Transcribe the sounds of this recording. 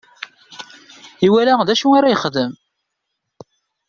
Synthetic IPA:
iwælæðæʃuaɾajəχðəm

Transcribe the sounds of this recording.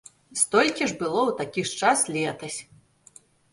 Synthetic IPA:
st̪ɔlʲkʲiʐbɨlˠɔwt̪akʲiʂt͡ʂaslʲɛt̪ɐsʲ

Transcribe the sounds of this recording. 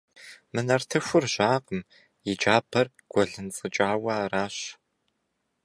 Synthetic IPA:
mɨnɐrtʰɨxʷʊrʑaːqəm | jɪd͡ʒaːbʰɐr | ɡ̥ʷɔɮɨnt͡sʼɨt͡ʃʼaːwɐraːɕ

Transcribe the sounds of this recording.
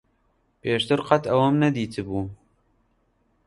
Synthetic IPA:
peːʃt̪ɨɾqɐt̪ɐwɐmnɛd̪iːt̪ʰɨbuː

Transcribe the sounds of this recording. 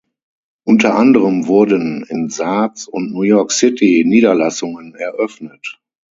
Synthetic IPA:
ʔʊntɐʔandəʁəmvʊɐdənɪnzaːt͡sʊntnuːjɔɐksɪtiniːdɐlasʊŋənɛɐʔœfnət

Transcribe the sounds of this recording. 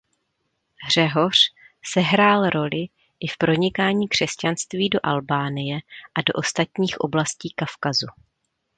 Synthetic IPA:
ɦr̝ɛɦo̞r̝̥ | sɛɦɾaːlɾo̞lɪ | ʔɪfpɾo̞ɲɪkaːɲiːkr̝̥ɛscanst̪viːdo̞ʔalbaːnɪjɛʔado̞ʔo̞st̪at̪ɲiːxʔo̞̰blasciːkafkazu

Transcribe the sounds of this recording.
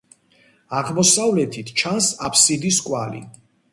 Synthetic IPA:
aʁmɔsavlɛt̪ʰit̪ʰt͡ʃʰansapʰsid̪iskʼwalḭ

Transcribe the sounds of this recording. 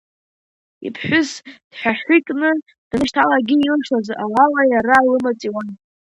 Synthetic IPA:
ḭpʰħʷᶣʊsd̥ħᶣaħikʼnɨ | d̥nɨʃtʰalaɡʲiːlɨʂlazawalajaɾalɨmat͡sʼiwan

